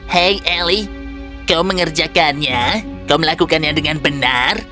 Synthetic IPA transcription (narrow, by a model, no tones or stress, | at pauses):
hɛjʔɛli | kawməŋərd͡ʒakanɲakawməlakukanjɲadəŋanbənar